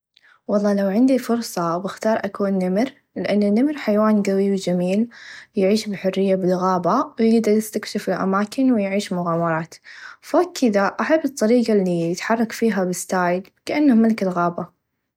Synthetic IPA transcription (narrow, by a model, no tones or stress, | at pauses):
wɑlˤːɑːlawʕɪnd̪ifʊɾsˤɑbɪxt̪ɑːɾˤʔakuːnːamɾ | lɪʔanːanːamɾħajwaːnɡawiwd͡ʒamiːljʕiːʃbɪħʊrːɪjːabɪlɣaːbawjɪɡd̪ɑɾˤjɪst̪akʃafɪlʔa̰maːkɪnwɪjʕiːʃmʊɣaːmɑɾˤɑːt̪fakʰːɪðaʔaħabːɨt̪ˤːɑɾiːɡalːiɪt̪ħɑrˤːɑkfiːɦabɪst̪aːjɪd̪kaʔanːamalkɪlɣaːba